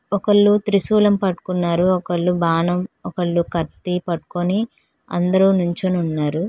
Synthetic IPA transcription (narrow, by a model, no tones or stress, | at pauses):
ɔkɐɭːut̪ɾisuːlɐmpɐʈːu̥kunːaːɾuɔkɐɭːubʱaːnɐmɔkɐɭːukɐɾt̪ipɐʈu̥koni | ɐ̰nd̪ɐɾunuɲt͡ʃununːaːɾu